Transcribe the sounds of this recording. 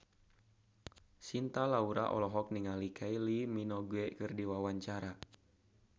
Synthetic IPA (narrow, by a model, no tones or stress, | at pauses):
sint̪alauɾa̰ʔɔ̰lɔɦɔk̚niŋalikʰailiminɔɡuɛkɨrdiwawaɲt͡ʃaɾa